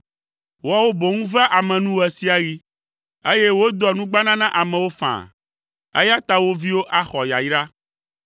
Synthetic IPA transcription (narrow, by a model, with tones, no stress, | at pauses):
wa˦wo˦bo˨ŋũ˦va˦ʔa˨mɛ̃˨nũ˦wɛ˨si˦a˨ɣi˦ | e˦je˦wo˦d̪ɔ˨nũ˦ɡ͡ba˦nã˦nã˦ʔa˨mɛ̃˨wo˦fã̰˨ | ḛ˦ja˦t̪a˦wo˦vi˦wo˦ʔa˦xɔ˨ja̰˨ji˦ɖa˦